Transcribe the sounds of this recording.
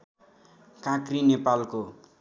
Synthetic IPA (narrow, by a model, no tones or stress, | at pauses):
kãkrinepalko